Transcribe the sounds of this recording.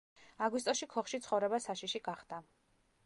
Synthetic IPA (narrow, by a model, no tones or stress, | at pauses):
aɡwis̬t̪ʼɔsʃikʰɔχʃit̪sʰχɔvɾɛbasaʃiʃiɡaχd̪̥a